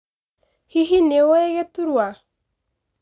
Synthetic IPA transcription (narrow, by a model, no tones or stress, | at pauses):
hiɦinewɛɣɛtuɾwa